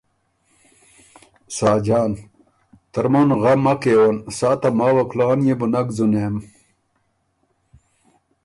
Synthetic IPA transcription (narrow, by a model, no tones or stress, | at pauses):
saːd͡ʑaːn | t̪ɐɾmonɣɐmːɐkeːwɐnsaːt̪ɐmaːwɐkʰlaːnjebunɐɡzuneːm